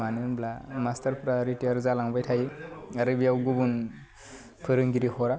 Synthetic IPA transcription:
anɯnblamastaɾpʰɾaɾitiaɾzalaŋbajtʰajiaɾɯbiawɡubun | pʰɯɾɯŋɡiɾihɔɾa

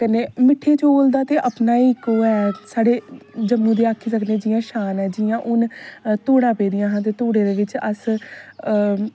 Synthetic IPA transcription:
kəneːmɪʈʰːeːt͡ʃoːld̪aːt̪eːʔəpnaːikoːɛːsaːɽeːd͡ʒəmːũːd̪eːaːkʰːiːs̬əkned͡ʒɪjãːʃaːnɛːd͡ʒɪjãːʔʊnt̪oːɽãːpeːd̪ɪjãːɦə̃nt̪eːt̪oːɽeːd̪eːʋɪt͡ʃəs

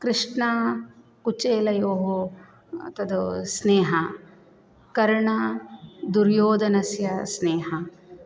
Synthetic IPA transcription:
kɾɪʂɳɐ | kut͡ʃeːlɐjoːɦo | t̪ɐd̪usneːɦɐ | kɐɾɐɳɐ | d̪uɾjoːd̪ɐnɐsjɐsneːɦɐ

